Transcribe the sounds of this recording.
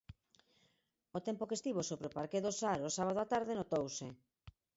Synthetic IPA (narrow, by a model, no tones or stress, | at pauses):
ot̪ɛmpokest̪iβosoβɾopaɾkeðosaɾosaβaðoat̪aɾðɪnot̪owse